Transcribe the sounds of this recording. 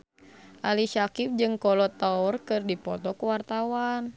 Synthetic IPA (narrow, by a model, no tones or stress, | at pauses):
ʔaliʃakip̚d͡ʒɨŋkɔlɔt̪aurkɨrdipɔt̪ɔkəwart̪awan